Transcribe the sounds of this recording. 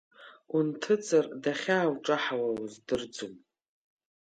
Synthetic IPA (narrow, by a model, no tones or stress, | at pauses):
untʰɨt͡sʰʼardaχʲaːwʈ͡ʂʼaħawazdɨrd͡zum